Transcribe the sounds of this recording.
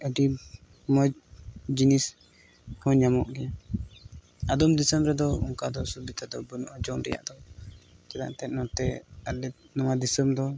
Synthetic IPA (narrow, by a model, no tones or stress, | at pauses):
əɖi | mɔd͡ʒd͡ʒinis | hɔɲamɔʔɡɛ | ad̪ɔmd̪isəmɾɛd̪ɔuŋkad̪ɔsubit̪ad̪ɔbunɔʔɔd͡ʒɔŋɾɛ̰ja̰ʔd̪ɔd͡ʒɛd̪a̰ʔt̪ɛt̪̚nɔt̪ɛaɛnɔwad̪isəmd̪ɔ